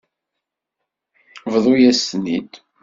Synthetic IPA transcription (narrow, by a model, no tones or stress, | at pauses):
vðˤujæsnḭd̪